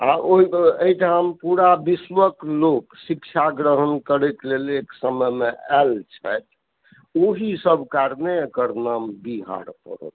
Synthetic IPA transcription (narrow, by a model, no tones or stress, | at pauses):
aʔoɦieiʈʰampuɾabiswəkloksikt͡ʃʰaɡɾəɦənkəɾek̪leleksəməjmeɛlt͡ʃʰɛt̪ | oɦisəbʱkaɾnekəɾnambiɦa̰ɾpə̰ɾə̰t̪